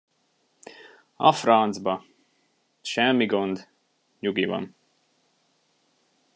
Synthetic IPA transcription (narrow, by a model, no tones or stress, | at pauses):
ɒ̰frɒnt̪zbɒ | ʃɛmːiɡond̪ | ɲuɡivɒ̰n